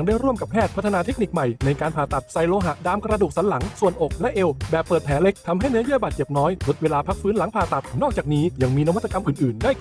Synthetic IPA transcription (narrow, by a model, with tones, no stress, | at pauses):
ŋdaː˥˩jɾu˥˩əmka˨˩pʰɛː˥˩t̪̚ʰt̪ʰːnaː˧t̪ʰe˦˥k̚ni˨˩k̚ma˨˩jna˧jkaː˧npʰaː˨˩t̪a˨˩t̪̚sa˧jloː˧ɦa˨˩ʔdaː˧mkɾa˧duː˨˩k̚sa˩˦nla˩˦ŋsu˨˩ənʔo˨˩k̚lɛ˦˥ʔe˧wbɛː˨˩pːəɤː˨˩t̪̚pʰɛː˩˦le˦˥k̚t̪ʰa˧mɦa˥˩jnɯ˦˥ɐjaː˥˩baː˨˩t̪̚t͡ɕe˨˩p̚nɔː˦˥jlo˦˥t̪̚weː˧laː˧pʰa˦˥k̚fɯː˦˥nla˨˩˦ŋpʰaː˨˩t̪a˨˩t̪̚nɔː˥˩k̚t͡ɕaː˨˩k̚niː˦˥ja˧ŋmiː˧na˧˥wa˥t̪ʰːa˧ka˧mʔɯː˨˩nʔɯː˨˩ndaː˥˩j